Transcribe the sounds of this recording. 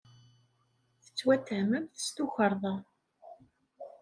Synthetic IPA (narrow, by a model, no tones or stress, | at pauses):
θə̥t͡sːwæt̪ːəʕməmθə̥st̪uçəɾˤðˤɑ